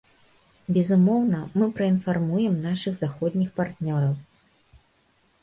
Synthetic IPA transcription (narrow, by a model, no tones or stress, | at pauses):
bʲɛzumɔwnɐmɨpɾɐinfarmujɛmnaʂɨɣzaxɔd̪ʲnʲixpart̪nʲɔɾɐw